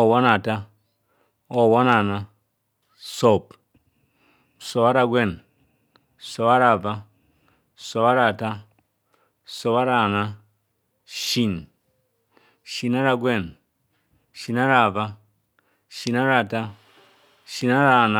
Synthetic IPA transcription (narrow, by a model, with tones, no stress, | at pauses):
ɔ˨wa˦na˨ta˦ | o˨wa˦na˨na˦ | so˦˨p | so˨βa˦ɾa˦˧ɡwe˦˨n | so˨βa˦ɾa˨va˦ | so˨βa˦ɾa˨ta˦ | so˨βa˦ɾa˦˨na˦ | ʃi˦˨n | ʃi˨na˦ɾa˨ɡwe˦˨n | ʃi˨na˦ɾa˨va˦ | ʃi˨na˦ɾa˨ta˦ | ʃi˨na˦ɾa˨na˦